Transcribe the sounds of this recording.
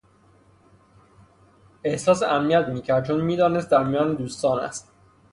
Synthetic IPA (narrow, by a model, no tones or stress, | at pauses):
e̞hsɒːseʔæmniæt̪miːcʰæɾd̪̚t͡ʃʰoːnmiːd̪ɒːnest̪̚d̪æɾmijɒːned̪uːst̪ɒːnæ̰st̪